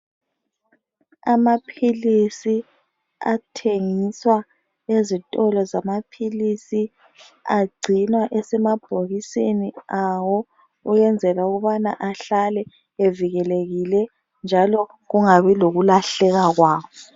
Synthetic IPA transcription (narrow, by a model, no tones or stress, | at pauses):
amapʰilisi | a̰tʰeŋiswa | ezitʼɔlɔzamapʰilisi | aɡ͡ǀʱinwaʔɛsɛmab̥ʱoɣiseniawɔ | ujɛnd͡zʱɛlauɣuβanaʔaɬalɛ | eviɣɛleɣilɛ | nd͡ʒʱalɔ | ɣuŋaβiloɣulaɬɛɣaɣwaːwɔ